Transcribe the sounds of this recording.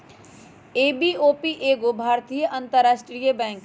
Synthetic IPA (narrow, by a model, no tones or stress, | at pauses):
eːbioːpiʔeːɡobʱaːɾt̪ijəʔɐ̃nt̪əɾaːʃʈɾijəbɛ̃ːŋk